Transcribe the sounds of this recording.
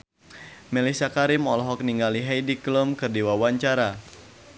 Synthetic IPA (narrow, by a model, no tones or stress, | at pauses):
mɛlisakaɾimɔlɔɦɔk̚niŋɡaliɦajdiklumkɨrdiwawaɲt͡ʃaɾa